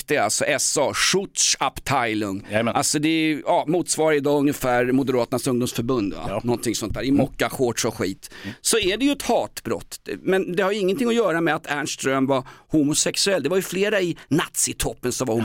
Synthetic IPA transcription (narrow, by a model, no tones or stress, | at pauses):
d̪ɛalsɔʔɛsɑʂʊt̪ʂapt̪ʰaɪlɵŋːalsɔd̪ɛɑːmuːt̪svɑːɾaɾɪd̪ɑːɵŋːəfæːɾmʊd̪ɛɾɑːt̪ənasɵŋd̪ʊmsfœɾbɵnd̪va̰nɔnt̪ʰɪŋsɔnt̪æːɾɪmɔkːaɧoːʈʂɔɧḭːt̪sɔæɖɛjɵɛt̪hɑːt̪bɾɔ̰t̪ːmɛnd̪ɛhaɾjɵɪŋːənt̪ʰɪŋːɔjœːɾamɛat̪ʰæɳʂt̪ɾœmvahuːmʊsɛksɵɛlːd̪ɛvaɾjɵfleːɾaɪnat̪sɪt̪ʰɔpːənsɔmvaɾhʊ